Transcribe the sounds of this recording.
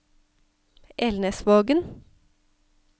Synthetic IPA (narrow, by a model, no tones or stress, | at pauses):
ʔɛlnəsʋoːɡən